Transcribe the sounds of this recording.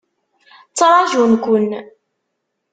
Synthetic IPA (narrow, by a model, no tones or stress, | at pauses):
t͡sːɾˤɑʒunkʷʊn